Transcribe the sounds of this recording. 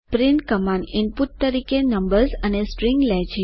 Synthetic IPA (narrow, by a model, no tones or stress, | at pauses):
pɾinʈkəmãɳinput̪̚t̪əɾikenəmbəɾzənesʈɾĩŋɡlɛd͡ʒe